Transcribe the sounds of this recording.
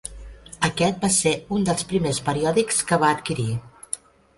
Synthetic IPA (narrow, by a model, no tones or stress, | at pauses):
əkɛt̪̚baseund̪əlˠspɾimespəɾiɔðikskəβ̞aːt̪kiɾi